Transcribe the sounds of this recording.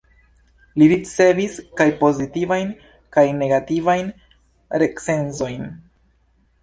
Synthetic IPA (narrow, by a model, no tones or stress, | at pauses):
liɾit͡se̞viskajpo̞zitivajn | kajne̞ɡativajn | ɾe̞kse̞nzo̞jn